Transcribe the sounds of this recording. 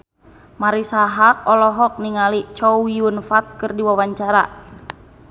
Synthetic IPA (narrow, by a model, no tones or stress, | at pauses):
maɾisaɦak̚ɔlɔɦɔk̚niŋalit͡ʃɔwjunfat̪̚kɨrdiwawaɲt͡ʃaɾa